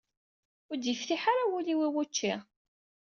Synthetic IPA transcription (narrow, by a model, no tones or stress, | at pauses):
ʊɾd̪jifθiħaɾawuliwiwut͡ʃːi